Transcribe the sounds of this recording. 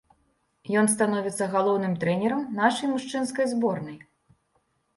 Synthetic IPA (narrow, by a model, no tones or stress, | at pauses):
jɔns̬t̪anɔvʲit̪sːɐɣalˠɔwnɨmt̪ɾɛnʲɛɾɐmnaʂɐjmuʂt͡ʂɨnskɐjzbɔrnɐj